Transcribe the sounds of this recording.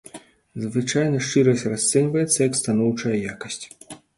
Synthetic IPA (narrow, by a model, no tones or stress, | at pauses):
zvɨt͡ʂajnɐʂt͡ʂɨɾɐsʲrast̪sɛnʲvɐjɛt̪sːɐjɐkst̪anɔwt͡ʂɐjɐjakɐsʲt͡sʲ